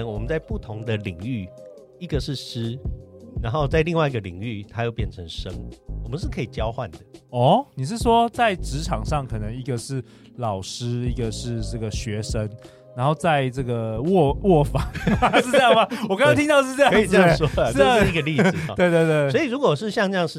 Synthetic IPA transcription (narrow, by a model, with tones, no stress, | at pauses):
ŋwɔ˨˩mə˦nt͡sa˥˧ɪpu˥˩t̪ʰʊ˧˦ŋd̪ə˨li˨˩ŋy˥˩ | i˧˥˩ɡə˨ʂɻ̩˥˩ʂɻ̩˥na˧˦nxo˥˧ʊt͡sa˥˧ɪli˥˧ŋwa˥˩ɪi˧ɡə˨lḭ˨˩ŋy˥˩t̪ʰa˥jo˥˧ʊpjɛ˥˩nʈ͡ʂʰə˧˦ŋʂə˥ŋwɔ˨˩mə˦nʂ̬ɻ̩˥˩kʰə˧˥i˨˩t͡ɕjɑ˦ʊxwa˥˨˩nd̪ə˩ɔ˥˩ni˨˩ʂ̬ɻ̩˥˩ʂwɔ˦t͡sa˥˩ɪʈ͡ʂɻ̩˧˥ʈ͡ʂʰɑ˨˩ŋʂɑ˥˩ŋkʰɤ˨˩nə˧˦ŋi˧˥ɡə˨ʂɻ̩˥˩ | lɑ˨˩ʊʂɻ̩˥i˥˩ɡə˨ʂɻ̩˥˧ʈ͡ʂɤ˥˩ɡə˩ɕɥɛ˧˥ʂə˦ŋ | ɻa˧˦nxo˥˧ʊt͡sa˥˧ɪʈ͡ʂɤ˥˩ɡə˩wɔ˥˩wɔ˥˩fa˨˩a˧ʂ̩˥˧ʈ͡ʂə˥jɑ˥ŋma˨˧wɔ˨˩ka˥ŋ˥t̪ʰi˥t̪ɑ˥ʊʂɻ̩˥˧ʈ͡ʂɤ˥˧jɑ˥˧˥ɑ˥ʂwɔ˥ə˥ʂ̩˥˧i˥ɡə˨˧li˥˨˩twe˥˧ɪt̪we˥˧t̪we˥˩sɔ˧˥i˨˩ɻu˧˥kwɔ˨˩ʂɻ̩˥˧ɕjɑ˥˧ŋʈ͡ʂɤ˥˧jɑ˥˧ŋʂɻ̩˥˩